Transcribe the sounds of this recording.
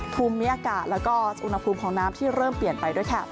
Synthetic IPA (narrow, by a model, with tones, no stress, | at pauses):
pʰuː˧mːi˦˥ʔaː˧kaː˨˩t̪̚lɛː˦˥wkɔː˥˩ʔu˧nha˧pʰuː˧mkʰɔː˩˦ŋnaː˦˥mt̪ʰiː˥˩ɾɤː˥˩mpli˨˩ənpa˧jdu˥˩əjkʰa˥˩